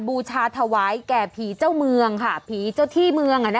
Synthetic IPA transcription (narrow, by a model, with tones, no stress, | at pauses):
buː˧t͡ɕʰaː˧t̪ʰa˧waː˦˥jkɛː˨˩pʰiː˨˩˦t͡ɕa˥˩wmɯ˧əŋkʰa˥˩pʰiː˨˩˦t͡ɕa˥˩wt̪ʰiː˥˩mɯ˧əŋʔa˧˩na˦